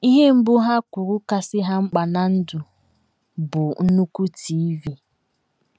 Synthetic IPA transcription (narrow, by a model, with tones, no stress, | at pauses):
i˦ɦe˦m̩˦bʊ˦ɦa˦kʷʊ˨ɾʊ˦ka˨sɪ˦ɦa˦ŋ͡m̩˦k͡pa˨na˨n̩˦dʊ˨ | bʊ˨n̩˦nu˦ku˦tʰi˨˦vi˦